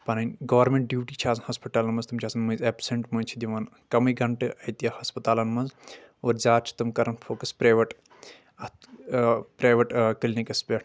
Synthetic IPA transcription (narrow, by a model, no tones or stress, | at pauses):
pɐnɐnʲɡɐʋɾmẽɳʈ̚ɖiːʈit͡ʃʰaːzhɐspiʈaːlɐnmɐnzt̪umt͡ʃʰaːsɐnmɐzeːpseɳʈmɐnʲt͡ʃʰid̪ʲiʋɐn | kɐmɨɡɐɳʈɨʔɐjt̪ijɐhɐspɐt̪aːlɐnmɐnz | oːɾzʲaːɾt͡ʃʰi̥t̪ɐmkɐɾɐnfʰoːkɐspɾaːjʋɐʈ | ɐt̪ | pɾaːjʋɐʈkɨlnikɐspʲeːʈʰ